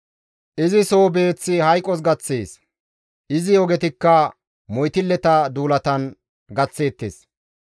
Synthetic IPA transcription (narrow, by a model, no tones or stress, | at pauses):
ʔɪzɪso̞ːbe̞ːt͡sːɪhɐjkʼɔs̬ɡɐt͡sːeːs | ʔɪzɪɔɡɛt̪ɪkːɐ | mɔjt̪ɪlːɛt̪ɐd̪uːlɐt̪ɐn | ɡɐt͡sːe̞ːt̪ːḛːs